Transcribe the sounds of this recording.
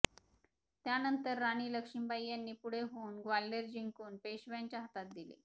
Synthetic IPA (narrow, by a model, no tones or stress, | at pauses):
t̪janənt̪əɾːaɽ̃iːləkʂimbajːanːiːpuɽ̤eɦounɡʋalːeɾd͡ʑiŋkuːnpeɕʋjaɲt͡ɕjaɦət̪at̪̚d̪ilḭː